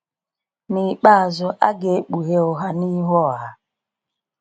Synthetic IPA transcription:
ni˨k͡pa˦a˨zʊ˦ʔa̰˦ɡe˨e˦k͡pu˨ɦe˦ʊ˨ɦa˦ni˦ɦɔ˦˨ɦa˦

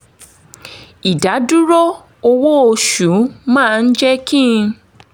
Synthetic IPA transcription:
i˨da˨˦du˦ɾo˦ | o˧wo˦o˧ʃu˨˦mãː˦˨˧n̩˦d͡ʒɛ˦kĩ˦˧

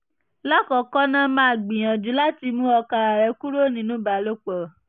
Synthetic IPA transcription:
la˦kɔ˨kɔ˦nã˦mãː˦˨ɡ͡bĩ˨j̃ã˨d͡ʒu˨˦la˦ti˧mũ˦ɔ˧ka˧ɾa˨ɾɛ˨˧ku˦ɾo˦˨nĩ˨˦nũ˦ba˨lo˦k͡pɔ˨

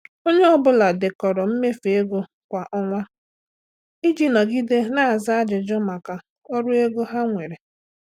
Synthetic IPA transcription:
o˦ɲe˦ɔ˦bʊ˦la˨dɪ˨kɔ˨ɾɔ˨m̩˦me˦fe˦ɡo˦ | kʷa˨ʔɔ˦ŋʷa˦ | i˦d͡ʒi˦nɔ˨ɡi˦de˦na˦a˨za˦a˦d͡ʒɪ˨d͡ʒɔ˦ma˨ka˨ | ɔ˦ɾʊ˦e˦ɡo˦ɦa˦ŋʷe˨ɾe˨

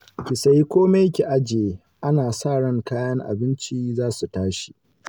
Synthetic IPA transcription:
kʲɪ˨sa˦jkʷoː˦me˦jkʲi˨ʔa˦d͡ʒeː˨ | ʔa˦naː˨saː˦˨ɽɐ˦˨ŋkaː˦jɐ˦ŋʔa̰˨bɪ˦nt͡ʃiː˦zaː˦su˨taː˦ʃi̥˨ʔ

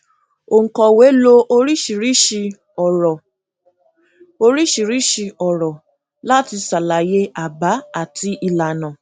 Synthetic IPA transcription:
o˨ŋ̩˨kɔ˨we˨˦lo˦ʔo˧ɾi˦ʃi˨ɾi˦ʃi˧ | ɔ˨ɾɔ˨ | o˧ɾi˦ʃi˨ɾi˦ʃi˧ɔ˨ɾɔ˨ | la˦ti˧sa˨la˨je˧˦a˨ba˨˦a˦˨tʰi˧ʔi˧la˨nã˨

